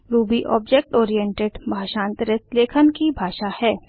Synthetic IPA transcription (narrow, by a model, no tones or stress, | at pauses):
ɾuːbiʔɔ̰ːbd͡ʒek̚ʈoːɾijɛ̃ɳʈeɖbʱaːʃãːnt̪ɾət̪leːkʰənkibʱaːʃahɛː